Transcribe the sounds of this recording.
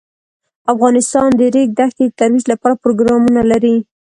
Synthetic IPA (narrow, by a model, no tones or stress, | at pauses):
afɣɑnɪst̪ɑnd̪əɾek̚d̪axt̪ed̪ət̪aɾwid͡ʒlapɑɾapɾoɡɾɑmunalaɾi